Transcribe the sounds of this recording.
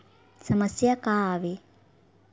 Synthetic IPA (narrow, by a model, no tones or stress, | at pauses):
sɐmɐsjakaːʋe